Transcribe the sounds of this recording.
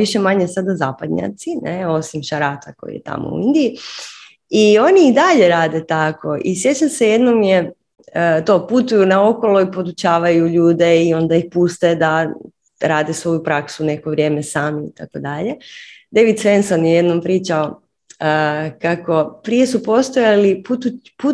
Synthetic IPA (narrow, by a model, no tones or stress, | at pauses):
iʃe̞maɲe̞sad̪azaːpad̪ɲa̰t̪sineo̞simʃaɾaːt̪ako̞̰jḭjet̪a̰mo̰ṵind̪ii | io̞niid̪aʎe̞ɾaːd̪e̞t̪ako̞ʔḭsje̞t͡ɕamse̞jed̪no̞mje | ət̪o̞ːput̪ujunao̞ko̞loipo̞d̪ut͡ɕaːʋajuʎuːd̪e̞io̞nd̪aixpust̪ed̪a | ɾaːd̪esʋo̞jupɾaksune̞ko̞ʋɾje̞ːme̞saːmiḭt̪akod̪aʎe̞d̪e̞ʋid̪sʋe̞nsonjeje̞d̪no̞mpɾiːt͡ʃao | əkako̞pɾije̞supo̞st̪ojaliput̪u | pu